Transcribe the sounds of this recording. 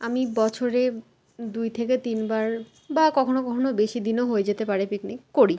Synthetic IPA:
amibɔt͡ɕʰoɾe | d̪ujt̪ʰek̬et̪inbaɾ | bakɔkʰonokɔkʰonobeʃid̪inoɦoed͡ʑet̪epaɾepiknikkoɾi

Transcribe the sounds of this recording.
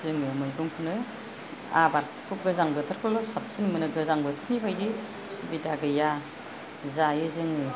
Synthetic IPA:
zɯŋɯmɯjɡɯŋpʰɯnɯ | a̰baɾ | kʰup̚ɡɯzaŋbɯt̪ʰaɾkʰɔlɔsap̚sʰɯnmɯnɯɡɯzaŋbɯt̪ʰɯɾnibʰajdi | subidaɡɯja | zajɯzɯŋɯ

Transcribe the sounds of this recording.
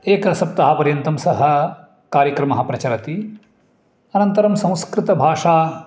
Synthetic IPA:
eːkɐsɐp̚t̪ɐɦapɐɾjɐnt̪ɐmsɐɦɐ | kaːɾjɐkɾɐmɐɦɐpɾɐt͡ʃɐɾɐt̪i | ɐnɐnt̪ɐɾɐmsɐ̃w̃skɾɪt̪ɐbʱaːʂaː

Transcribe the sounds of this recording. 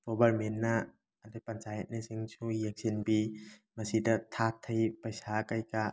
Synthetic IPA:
pobɐɾmenːɐː | depɐnt͡ʃajɐt̚nisiŋsʰujɐk̚sinbimɐsidɐtʰatʰːɐjpɐjsakajka

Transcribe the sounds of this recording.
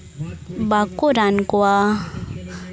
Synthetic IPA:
bakuɾankuwa

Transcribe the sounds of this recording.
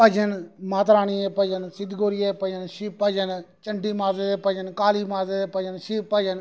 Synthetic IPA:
pəd͡ʒənmaːt̪ɾaːɽiːeːpəd͡ʒənsɪd̪ɡoːɾɪjapəd͡ʒənʃiːpəd͡ʒənt͡ʃəɳɖiːmaːzeːd̪eːpəd͡ʒənkaːliːmaːzed̪eːpəd͡ʒənʃiːpəd͡ʒən

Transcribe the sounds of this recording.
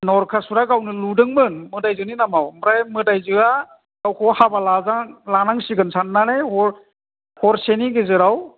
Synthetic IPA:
nɔɾkʰasuɾaɡawnɯludɯŋmɯnmɯdajzɯninamawmɾajmɯdajzɯa | ɡawkʰɔhabalazalanaŋsiɡɯnsʰanːanejhɔɾ | hɔɾseniɡɯzɯɾaw

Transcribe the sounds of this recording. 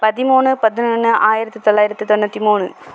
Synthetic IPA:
pɐðimuːɳɨpɐðinɐːnːɨʔaːjɪɾɐt̪ːit̪oɭːaːjiɾɐt̪ːit̪onːɐt̪ːimuːɳɨ

